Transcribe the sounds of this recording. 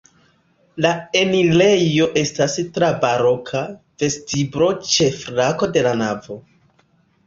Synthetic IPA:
lae̞nile̞jo̞ʔe̞stastɾabaɾo̞kʰa | v̥e̞stibɾo̞t͡ʃe̞flako̞de̞lanavo̞

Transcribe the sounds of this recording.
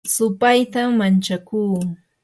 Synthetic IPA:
sʊpajt̪aːant͡ʃakuː

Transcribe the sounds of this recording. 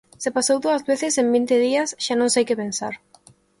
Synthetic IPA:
sepasowðuɐzβeθɪsẽmbint̪ɪðiɐsʃanõŋsajkɪpẽnsa̰ɾ

